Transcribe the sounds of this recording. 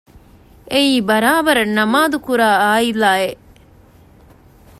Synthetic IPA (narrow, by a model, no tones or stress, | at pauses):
eiːbɐɾaːbɐɾɐnɐmaːd̪ukuɾaːaːilaːe